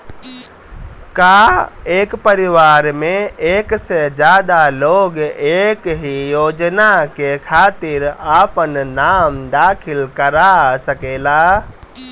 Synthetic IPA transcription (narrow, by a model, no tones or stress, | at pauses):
kaekpəɾiʋaɾmeeksed͡ʒjad̪aloɡekɦijod͡ʒnakekʰat̪iɾapənnamd̪akʰilkəɾasəkela